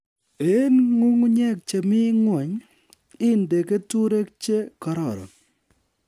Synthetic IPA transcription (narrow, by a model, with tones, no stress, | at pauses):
e˨˦nŋu˦ŋu˦ɲɛ˦k̚t͡ʃe˨mɪ˦ŋwɔ˨ɲ | ɪ˦nde˨ke˦tu˦ɾe˦k̚t͡ʃe˦kɔ˨ɾɔ˨ɾɔ̰˨